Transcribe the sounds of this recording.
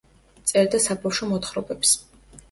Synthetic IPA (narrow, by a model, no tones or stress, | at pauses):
t̪sʼɛɾd̪asabawʃɔmɔt̪χɾɔbɛps